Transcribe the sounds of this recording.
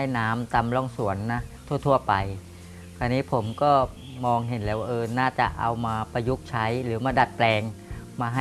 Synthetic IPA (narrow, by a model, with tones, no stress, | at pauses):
a˥˩jnaː˦˥mt̪a˧mlɔː˥˩ŋsu˩˦ənːa˦˥t̪ʰu˥˩ət̪ʰu˥˩əpa˧j | kʰaː˧nːiː˦˥pʰo˩˦mkɔː˥˩ | mɔː˧ŋɦe˩˦nlɛː˧˩waː˥˧˩ʔɤː˧naː˥˩t͡ɕa˨˩ʔa˧wmaː˧pa˧ju˦˥k̚t͡ɕʰa˦˥jɾɯː˩˦maː˧˩da˨˩t̪̚plɛː˧ŋmaː˧ɦa˥